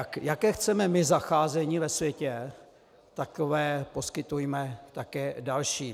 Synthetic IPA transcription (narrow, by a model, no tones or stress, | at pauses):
kjakɛːxt͡sɛmɛmɪzaxaːzɛɲiːvɛsvjɛcɛ | t̪akovɛːpo̞skɪt̪ujmɛt̪akɛːdalʃiː